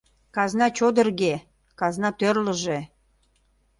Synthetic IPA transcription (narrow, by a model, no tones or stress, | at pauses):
kɑznɑt͡ɕod̪ə̆rɣe | kɑznɑt̪ørləʒe